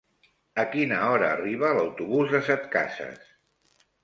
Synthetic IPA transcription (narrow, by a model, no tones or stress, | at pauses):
əkinəɔɾəːriβ̞ələwt̪uβuzðəsɛt̪ka̰sə̰s